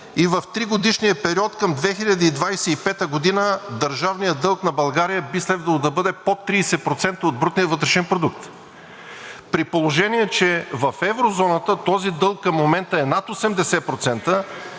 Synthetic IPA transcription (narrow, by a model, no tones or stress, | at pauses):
ivɐft̪ɾiɡod̪iʃnijəpɛɾiɔt̪kəmd̪vɛxiʎʲɐd̪iid̪vajsɛipɛt̪əɡod̪inəd̪ɐɾʒavnijəd̪ɤlˠknɐbɐlˠɡaɾijəbislɛd̪vɐlˠod̪ɐbɤd̪ɛpot̪ːɾiːsɛpɾot̪sɛnt̪əod̪̚bɾut̪nijəvɤt̪ɾɛʃɛnpɾod̪uk̚t̪ | pɾipolˠoʒɛniɛt͡ʃɛvɐfɛvɾozɔnət̪ət̪ɔzid̪ɤlˠkːɐmːomɛnt̪əɛnat̪osɛmd̪ɛsɛpɾot̪sɛnt̪ə